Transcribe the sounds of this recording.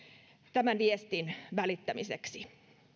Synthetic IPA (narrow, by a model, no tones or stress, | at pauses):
t̪æmænʋiest̪inʋælit̪ːæmisḛksi